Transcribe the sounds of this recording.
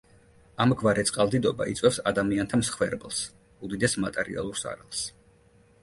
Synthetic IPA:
amɡvaɾɛt̪sʼqʼalˠd̪id̪ɔba̰ḭt̪sʼwɛfsad̪amiant̪ʰamsχwɛɾbɛlˠs | ud̪id̪ɛsmat̪ʼɛɾḭa̰lˠuɾsa̰ɾalˠs

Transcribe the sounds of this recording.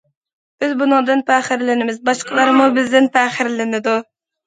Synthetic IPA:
b̥ɪzbunɨŋd̪ɨnpʰæχɪɾlɪnɪmɪzbɑʃqʰəlˠɑɾmubɪzd̪ɪnpʰæχɪɾlɪnɪd̪u

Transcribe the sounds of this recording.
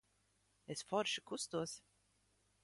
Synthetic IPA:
esfɔɾʃi̥kust̪uɔs

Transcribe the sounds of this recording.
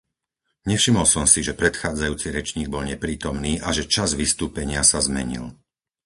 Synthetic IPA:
ɲɛfʃimɔlsɔmsiʒɛpɾɛt̪xaːd͡zajuːt͡siɾɛt͡ʃɲiːɡ̚bɔlɲɛpɾiːt̪ɔmniːʔaʒɛt͡ʃazʋist̪uːpɛɲɪasazmɛɲḭl

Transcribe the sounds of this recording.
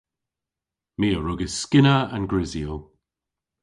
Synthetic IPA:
miːəɹʊɡəskɪnəənɡɹɪziəlˠ

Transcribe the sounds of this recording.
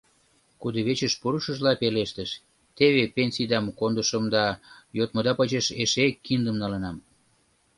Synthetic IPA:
kud̪ŏβet͡ɕəʃpuɾuʃə̆ʒlɑpeleʃt̪əʃ | t̪eβepenʲsʲijd̪ɑmkond̪əʃəmd̪ɑjot̪məd̪ɑpət͡ɕəʃeʃekːind̪əmnɑlənɑm

